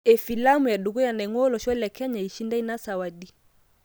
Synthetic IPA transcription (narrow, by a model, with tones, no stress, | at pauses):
ɛ˨fi˨la˦mu˨ja˨ɗu˨ɣu˦ja˨na˨ŋwɔ˦lɔ˨ʃwɔ˦la˨kɛ˦ɲa˨i˨ʃi˦nda˦i˦na˦sa˨wa˨ɗi˨